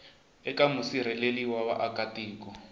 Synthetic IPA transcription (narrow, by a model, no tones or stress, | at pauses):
ɛkamusiɾ̤ɛleliwaβa̰ʔakatiːkɔ